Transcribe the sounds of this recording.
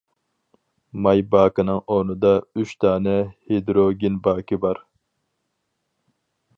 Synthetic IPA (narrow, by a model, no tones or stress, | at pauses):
mɑjbɑːkɨnɨŋonɨd̪ɑyʃt̪ʰɑːnɛhed̪ɾoɡʲinbɑːkʰɨbɑɾ